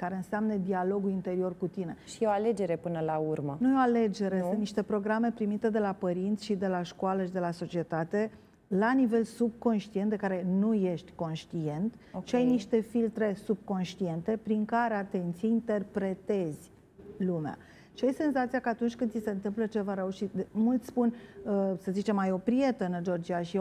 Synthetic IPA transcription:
kaɾe̞ɨnseamnəd̪ialo̞ɡulint̪e̞ɾio̞rkut̪ine̞ʃieoaled͡ʒe̞ɾepɨnəlaurmənujeo̞ale̞d͡ʒe̞ɾe̞sɨnt̪niʃt̪e̞pɾo̞ɡɾame̞pɾimit̪e̞d̪e̞lapəɾint̪sʲʃid̪e̞laʃkoaləʃid̪e̞laso̞t͡ʃie̞t̪at̪e̞ | lanive̞lsub̚ko̞nʃt̪ient̪d̪e̞kaɾe̞nuje̞ʃt̪ʲko̞nʃt̪ie̞nt̪ʃiajniʃt̪e̞filt̪ɾe̞sub̚ko̞nʃt̪ie̞nt̪e̞pɾiŋkaɾe̞at̪e̞nt̪sijeint̪e̞rpɾe̞t̪e̞z̥ʲ | lumea̰ | ʃiajse̞nzat̪sijakəat̪unt͡ʃʲkɨnd̪sise̞ɨnt̪ɨmplət͡ʃe̞vaɾe̞uʃit̪̚d̪mult̪sʲspunəsəzit͡ʃe̞majo̞pɾie̞t̪əɨnd͡ʒord͡ʒiaʃi

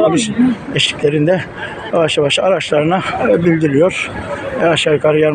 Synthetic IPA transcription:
abiʃeʃi̥clʲe̞ɾind̪ɛ | javaʃjaβaʃaɾat͡ʃlˠaɾɯnabilʲd̪iɾijo̞ɾ̥ɛaʃaɾɯkʰaɾɯjaɾ

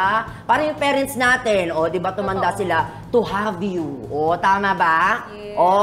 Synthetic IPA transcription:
paːɾɐjʊŋpɛːɾɛnt̪snaːt̪ɛnʔod̪ɪbat̪ʊmɐnd̪asɪla | t̪ʊhavjuʔot̪aːmɐba | ʔo

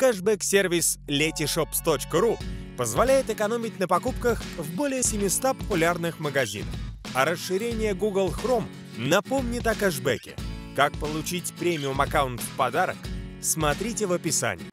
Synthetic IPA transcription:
kɛʐbɛksʲervʲɪslʲetʲɪʂopst̪ot͡ɕkəɾupəzvɐlʲæjɪt̪ɨkɐno̞mʲɪtʲnəpɐkupkəxvbo̞lʲɪjəsʲɪmʲɪst̪apəpʊlʲarnɨxməɡɐzʲḭnə̰fɐɾəsʂɨɾʲenʲɪjəɡuɡəlˠxrom | nɐpo̞mnʲɪt̪ɐkɛʐbɛ̰kʲɪ̰kak̚pəlˠʊt͡ɕitʲpɾʲemʲɪʊmɐkaʊnt̪fpɐd̪aɾə̰ksmɐt̪ɾʲitʲɪvəpʲɪsa̰nʲɪ̰j

